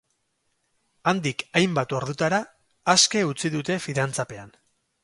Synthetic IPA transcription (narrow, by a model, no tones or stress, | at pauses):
and̪ikajmbat̪o̞ɾðut̪aɾaː | ske̞ut͡siðut̪e̞fiðant͡sape̞an